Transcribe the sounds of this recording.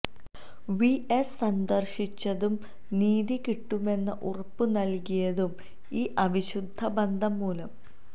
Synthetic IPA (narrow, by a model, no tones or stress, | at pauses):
ʋiessɐnd̪ɐrʂit͡ɕːɐðum | niːðikiʈːume̞nːɐʔurɐpːunɐlkijɐðum | iːʔɐʋiɕud̪ʱːɐbɐnd̪ʱɐmːuːlɐm